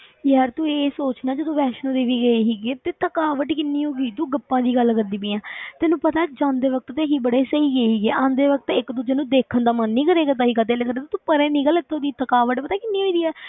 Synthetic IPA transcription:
jəːɾt̪ũːeːsoːt͡ʃnãːd͡ʒod̪õːʋɛːʃnõːd̪eːʋiːɡəeːɦiːɡeːt̪eːt̪əkaːʋəʈkɪnːiːɦoːɡiːt̪ũːɡəpːãːd̪iːɡəlkəɾd̪iːp̬ɪːãːt̪ɛːnũːpət̪aːd͡ʒãːnd̪eːʋək̚t̪t̪eːɦiːbəɽeːsəiːɡəeːɦiːɡeːʔãːnd̪eːʋək̚t̪ɪkt̪ũːd͡ʒənũːd̪eːkʰənd̪aːmənːĩːkəɾeːɡaːt̪aːɦiːkaːt̪̬eːleːkəɾeːt̪ːt̪uːpəɾẽːniːɡəlɪt̪ʰːõːd̪iːt̪əkaːʋəʈpət̪aːkɪnːiːɦoːiːd̪iːɛː

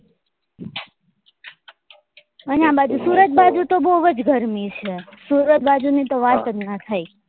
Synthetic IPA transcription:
ənabad͡ʒusuɾət̪̚bad͡ʒut̪oboʋəd͡ʒɡʱəɾmit͡ʃʰesuɾət̪̚bad͡ʒunit̪oʋat̪ət̪nət̪ʰaj

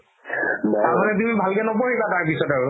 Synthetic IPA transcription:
taɹmanɛt̬umibʱalkɛnɔpoɹibataɹpisɔtaɹu

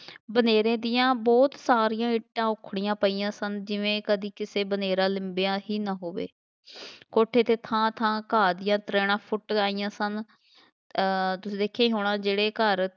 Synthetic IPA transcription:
bəneːɾẽːd̪ɪjãːbɔːt̪saːɾijãːɪʈːãːʊkʰɽɪjãːpəiːãːsənd͡ʒɪʋẽːkəd̪iːkɪseːbəneːɾãːlɪmbejãːɦiːnãːɦoːʋḛː | koːʈʰeːt̪eːt̪ʰãːt̪ʰãːkaːd̪ɪjãːt̪ɾeːɽ̃ãːpʰʊʈaːiːjãːsən | t̪ʊsĩːd̪eːkʰːeːɦoːɽ̃ãːd͡ʒeːɽeːkəɾ

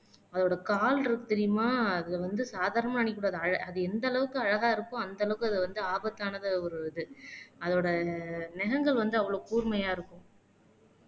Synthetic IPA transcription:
ɐðoːɽɐkaːlɪɾɯkːɯt̪ɛɾɪjɯmaːɐðɯʋɐnd̪ɯsaːðaːɾɐnɐmaɐːɳɪkːuːɽaːðɯɐɻɐɐðɯɛnd̪ɐlɐʋɯkːɯɐɻɐɣaːɪɾɯkːʊ̃ɐnd̪ɐlɐʋɯkːɯɐðɯʋɐnd̪ɯaːbɐt̪ːaːnɐðɯɔɾɯɪðɯɐðoːɽɐnɛɣɐŋɡɐɭʋɐnd̪ɯɐʋːɐɭoːkuːɾmɐjaːɪɾɯkːʊ̃

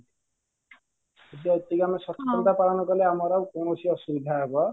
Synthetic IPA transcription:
et̪iaet̪iɡamɔsɔtkɔnt̪apaɾɔnɔkɔleamɔɾawkonosiɔsubid̪ʱaɦebɔ

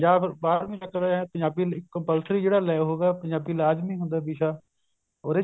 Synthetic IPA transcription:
aːbɾbaːɾmĩːt͡ʃəkəɾaɦɛ̃pə̃jaːbiːɪkːəmpəlsɾiːd͡ʒeːɽaːlaːɦoːɡaːpə̃ɲd͡ʒaːbiːlaːd͡ʒmĩːɦʊ̃nd̪aːbiːʃaː | oːɾeː

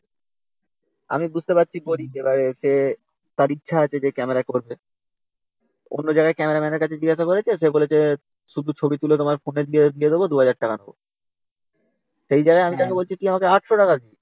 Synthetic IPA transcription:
a̰mibud͡ʑʱt̪epat̪ːɕʰiboɾiebaɾeʃe | t̪aɾitːɕʰaat͡ɕʰed͡ʑekɛmeɾakoɾbe | o̰nːod͡ʑaɡaekɛmeɾamɛneɾkat͡ɕʰed͡ʑiɡaʃakoɾet͡ɕʰeʃebolet͡ɕʰe | ʃud̪ʱut͡ɕʰobit̪ulet̪omaɾfoned̪ied̪ied̪ebod̪uɦad͡ʑaɾ̚ʈakanobo̰ | ʃejd͡ʑaɡaeamit̪akebolt͡ɕʰiʈiamakeaʈʃoʈakaii

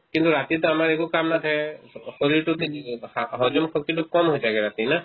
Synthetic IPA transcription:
kint̪uɾat̪it̪ɔamaɹekukamnat̪ʰaɛsɔɾiɾʈ̪ɔt̪iaɦɔd͡ʒunkʰɔkːit̪ɔkɔmɦojzakɛɾat̪ina

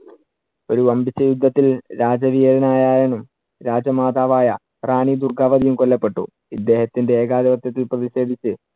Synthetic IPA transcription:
o̞ɾuʋɐmbit͡ɕːɐjud̪ʱːɐt̪ːilɾaːd͡ʑɐʋijɐɾɐnaːjaːjenum | ɾaːd͡ʑɐmaːd̪aːʋaːjɐ | raːɳid̪urɡʱaːʋɐðijumkolːɐpːe̞ʈːṵ | id̪ːe̞ːhɐt̪ːinde̞eːɡaːðɐʋɐt̪jɐt̪̬ːilprɐðiɕe̞ːd̪ʱit͡ɕːɨ

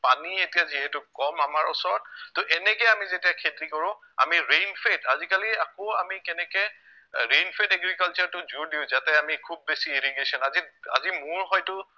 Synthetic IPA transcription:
panietijaziɦɛtʊkɔmamaɹusɔɹtoʔɛnɛkɛamizetijakʰetɹikɔɹʊ̃ | a̰miɹejnpʰetazikaliakoamikɛnɛkɛ | ɹejnpʰetɛɡɹikalt͡ʃɔɹtʊzuɹdiʊ̃zatɛamikʰub̚ːesieɹiɡesɔnazia̰zimʊɹɦɔjtʊ

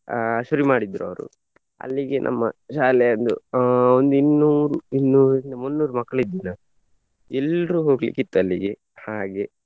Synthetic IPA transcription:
ʃuɾimaːɽid̪ɾuɐ̰ʋɾṵ | ɐ̰lːiɡe̞nʔɐ̰mːɐ̰ʃaːlɛjɐnd̪ṵond̪inːuːɾuinːuːɾɾind̪ɐmunːuːɾumɐkːɐɭid̪ːina | ɛlɾuːɦo̞ːɡlḭkit̪ːɐlːiɡe̞ | haːɡe̞

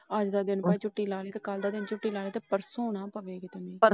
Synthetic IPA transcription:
əd͡ʒd̪aːd̪ɪnpɛt͡ʃʊʈːiːlaːleːt̪ekəld̪aːd̪ɪnt͡ʃʊʈːiːlaːleːt̪epəɾsoːnaːpəʋeːɡiːt̪əmẽːə

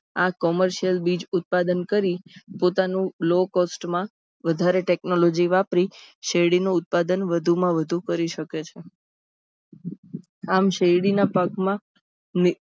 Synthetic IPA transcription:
akɔməɾʃiəlbid͡ʒʊt̪̚pad̪ənkəɾipot̪anũlokosʈmã | ʋəd̪ʱaɾeʈeknolod͡ʒiʋapɾiʃejɽinuʊt̪̚pad̪ənʋəd̪ʱumãʋəd̪ʱukəɾiʃəket͡ʃʰe | amʃeɽinapakmã | ni

